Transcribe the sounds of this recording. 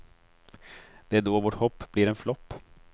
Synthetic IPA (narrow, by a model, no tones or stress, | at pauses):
d̪̥ɛæɖoːvoːʈhɔpːbliːɾɛnflɔpː